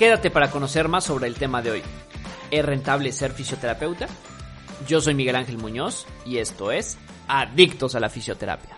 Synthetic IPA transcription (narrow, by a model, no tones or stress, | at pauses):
ke̞ðat̪e̞paɾako̞no̞se̞ɾmasːoβ̞ɾe̞ːlt̪e̞maðe̞o̞̰j | esre̞nt̪aβ̞le̞se̞ɾfisjo̞t̪e̞ɾape̞wt̪a | ɟ͡ʝo̞so̞jmiɣe̞laŋxe̞lmũɲo̞sie̞st̪o̞e̞s | aðikt̪o̞salafisjo̞t̪e̞ɾa̰pjḁ